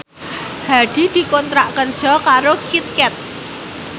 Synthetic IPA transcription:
hadɖ̪̥i̤d̪̥i̤kont̪ɾaʔkərd̥ʒ̥ɔ̤kaɾokit̪̚kɛt̪̚

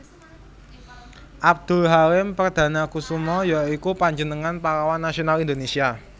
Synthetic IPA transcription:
ʔab̚d̪̥ṳlɦaɾɪmpərd̪̥a̤nakusumɔjaikupaɲd͡ʒənəŋanpalawanːasionalind̪onesia

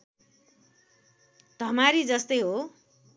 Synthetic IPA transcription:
d̪ʱʌmaɾid͡zʌst̪ʌjɦo

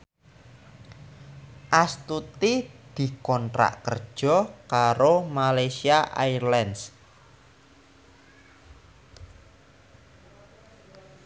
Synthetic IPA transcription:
ʔast̪ut̪id̪̥i̤kɔntɾa̰ʔkərd̥ʒ̥ɔ̤kaɾomalajsiaʔajrlɛns

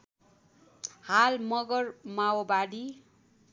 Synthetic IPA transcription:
halmʌɡʌrmawobaɽi

